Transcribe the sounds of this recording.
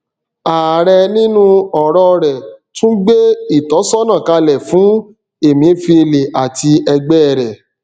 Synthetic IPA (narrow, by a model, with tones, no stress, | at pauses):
a˨ɾɛ˧nĩ˦nũ˦ɔ˨ɾɔ˧ɾɛ˨tũ˦ɡ͡be˦i˦˨tɔ˨˦sɔ˦nã˦˨ka˧lɛ˨fũ˨˦ | e˨mĩ˨˦fi˧e˧le˨ʔa˨ti˧ɛ˧ɡ͡bɛ˦˨ɾɛ˨